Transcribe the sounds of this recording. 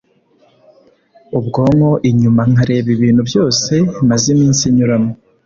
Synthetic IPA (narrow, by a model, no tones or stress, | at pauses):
ubɡo̞ːŋo̞ʔiɲumaŋhaɾe̞ːβiβiːnhuβjo̞ːse̞mazimiːnsiɲuɾamo